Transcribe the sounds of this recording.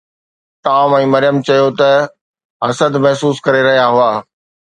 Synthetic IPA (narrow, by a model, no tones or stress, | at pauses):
t̪aːmɛ̃ːmɐɾɪjəmt͡ɕɐjot̪ɐ | ɦɐsəd̪mɐɦsuːskɐɾeɾɐɦijaɦʊaː